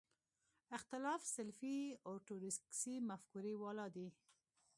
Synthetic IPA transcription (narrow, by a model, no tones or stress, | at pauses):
ɪxt̪ɪlɑfsɪlfioʈuɾɪsksimafkuɾiwɑlɑd̪i